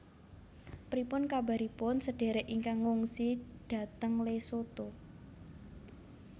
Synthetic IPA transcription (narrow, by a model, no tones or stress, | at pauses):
pɾipʊnkaba̤ɾipʊnsəɖ̥e̤ɾɛʔiŋkaŋuŋsiɖ̥ä̤t̪əŋlesot̪o